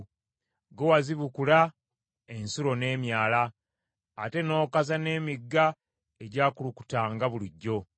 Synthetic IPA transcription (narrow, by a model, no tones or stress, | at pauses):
ɡowaziβukula | e̞nsuɾo̞ne̞ːmjaːlaː | te̞no̞ːkazane̞ːmiɡːa | eɟaːkuluku̥taːŋɡaβuliɟːo̞